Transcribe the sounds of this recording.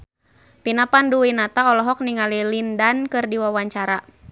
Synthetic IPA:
pinapanduinat̪aɔlɔɦɔk̚niŋalilindankɨrdiwawaɲt͡ʃaɾa

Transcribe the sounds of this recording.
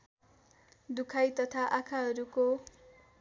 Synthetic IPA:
d̪ukʰajt̪ʌt̪ʰaʔakʰaɦʌɾuko

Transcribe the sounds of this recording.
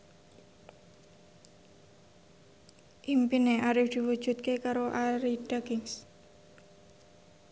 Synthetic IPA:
ʔimpineʔaɾɪfd̪̥i̤wu̥ʒ̥ṳt̪̚kekaɾoʔaɾiɖ̥aɡɪŋs

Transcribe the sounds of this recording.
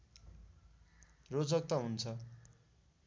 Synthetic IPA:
rod͡zʌk̚t̪ʌɦunt͡sʰʌ

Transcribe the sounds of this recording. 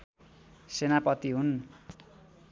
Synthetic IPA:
senapʌt̪iɦun

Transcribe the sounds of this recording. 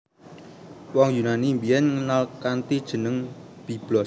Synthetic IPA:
wɔŋjunanimbijɛnŋənalkant̪id̥ʒ̥ə̤nəŋb̥i̤b̥lɔ

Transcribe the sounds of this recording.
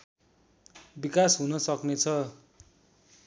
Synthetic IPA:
bikasɦunʌsʌknet͡sʰʌ

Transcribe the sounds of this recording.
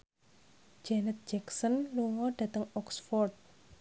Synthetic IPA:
d͡ʒ̥ɛnət̪̚dd͡ʒɛksənluŋɔɖ̥ä̤t̪əŋɔksfɔrd̪̚

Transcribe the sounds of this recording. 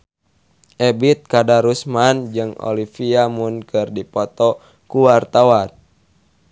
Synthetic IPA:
ʔɛbit̪̚kadaɾusmand͡ʒɨŋɔ̰lifiamunkɨrdipɔt̪ɔ | kuwart̪awan

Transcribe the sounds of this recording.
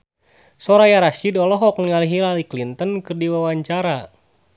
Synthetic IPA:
sɔɾajaɾaʃidɔlɔɦɔk̚nəŋaliɦilaliklint̪ənkɨrdiwawaɲt͡ʃaɾa

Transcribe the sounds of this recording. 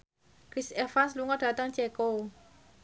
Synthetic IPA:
kɾisɛfansluŋɔɖ̥a̤t̪əŋt͡ʃɛko

